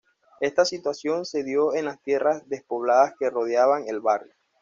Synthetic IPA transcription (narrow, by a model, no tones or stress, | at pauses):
e̞st̪asit̪wasjo̞nse̞ðjo̞e̞nlast̪je̞razd̪e̞spo̞βlaðaske̞ro̞ð̞jaβaŋe̞lβarjo